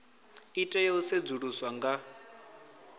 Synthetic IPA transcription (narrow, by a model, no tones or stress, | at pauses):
itʼajɛused͡zuɺuswaŋɡa